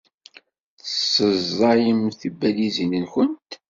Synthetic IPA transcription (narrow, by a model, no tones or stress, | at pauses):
θəsːəzˤːɑjəmθibælizənənçənt̪